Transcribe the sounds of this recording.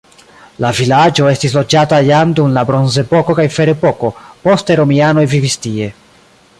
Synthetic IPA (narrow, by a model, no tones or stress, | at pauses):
lavilad͡ʒo̞e̞stislo̞d͡ʒatajand̪umlabɾonze̞poko̞kajfe̞ɾepo̞ko̞po̞st̪e̞ɾo̞miano̞jvivist̪ie̞